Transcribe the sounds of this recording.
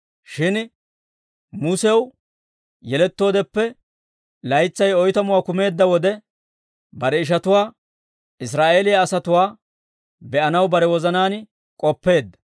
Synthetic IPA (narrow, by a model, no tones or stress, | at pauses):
ʃɪn | muːsɛw | jɛlɛt̪ːo̞ːd̪ɛpːɛ | lɐjt͡sːɐjɔjt̪ɐmʊwaːkʊme̞ːd̪ːɐwɔd̪ɛ | bɐɾɛɪʃ̬ɐt̪ʊwaː | ɪs̬ɾaːʔe̞ːlɪjɐːsɐt̪ʊwaː | bɛʔɐnɐwbɐɾɛwɔzɐnaːn | kʼɔpːe̞ːd̪ːɐ̥